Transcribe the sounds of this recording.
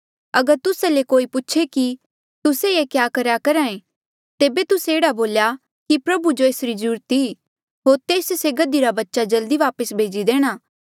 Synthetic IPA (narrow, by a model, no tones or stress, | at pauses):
ɐɡəɾt̪ʊsalekoːipʊtːʃʰeki | t̪ʊseekjaːkɐɾjakɐɾãːẽ | t̪eːbet̪ʊseeːɽaboːlja | kipɾɐbud͡ʒoeːsɾizɐɾuːɾət̪i | ɦoːɾt̪eːsseɡɐd̪iɾabɐtːʃad͡ʒɐld̪iʋaːpəsbʱeːd͡ʒid̪eːɽ̃aː